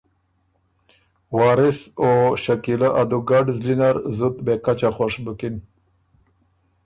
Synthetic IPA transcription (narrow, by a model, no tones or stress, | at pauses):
wɑːɾɪsoʃakilaʔad̪uɡaɖzlinaɾzud̪bekat͡ʃaxwaʂbʊkin